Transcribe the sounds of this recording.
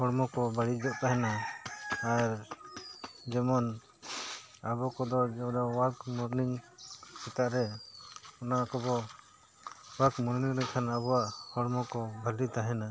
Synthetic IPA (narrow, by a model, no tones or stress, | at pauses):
hɔɽmɔkɔbʱaɽid͡ʒɔʔt̪aɦɛnaː | ɾ | d͡ʒɛmɔn | abɔkɔd̪ɔd͡ʒɔd̪ɔwakmɔɾniŋsɛt̪aʔɾɛ | ɔnakɔbɔ | wakmɔɾniŋɾɛkʰanabɔwaʔhɔɽmɔkɔbʱalit̪aɦɛna